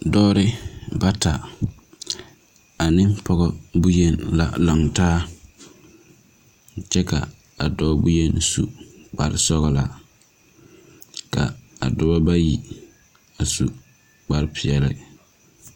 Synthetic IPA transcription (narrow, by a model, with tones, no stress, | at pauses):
dɔː˦ɾɪ˦ba˦ta˨ | a˨nɪ˦mpɔ˦ɣɔ˦bu˦je˦nla̰˨la˨ŋtaː˦ | t͡ʃɛ˦ka̰˨ | a˨dɔː˦bu˦je˦nsu˨k͡pa˨ɾɪ˦sɔ˦ɣɔ˨la˨ | ka̰˨a̰˨dʊ˦bɔ˦ba˦ji˨ | a˨su˨ | k͡pa˦ɾɪ˦pʰɪ˨ɛ˨lɪ̰˦